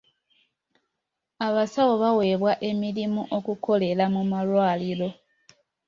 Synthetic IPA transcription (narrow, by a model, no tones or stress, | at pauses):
aβasawo̞βawe̞ːβwaʔe̞milimuʔo̞kukʰo̞le̞lamumalwaːlilo̞